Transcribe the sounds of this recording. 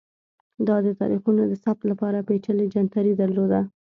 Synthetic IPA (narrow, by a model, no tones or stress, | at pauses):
d̪ɑd̪ət̪ɑ̰ɾixunod̪əsap̚t̪lapɑɾapet͡ʃəled͡ʒant̪aɾid̪aɾlod̪a